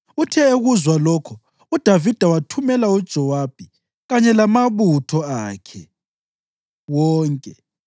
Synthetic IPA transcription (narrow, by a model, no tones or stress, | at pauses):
utʰɛeɣuzwalɔkʰɔ | ud̥ʱavid̥ʱawatʰumɛlaud̥ʒ̥ʱɔwab̥ʱi | ɣaɲɛlamaβutʰɔaːkʰɛ̰ | wɔːŋkʼɛ